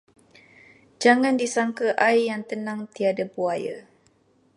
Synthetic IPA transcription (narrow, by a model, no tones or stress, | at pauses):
d͡ʒaŋandisaŋkəʔajjaŋt̪ənãŋt̪iadabuaja̰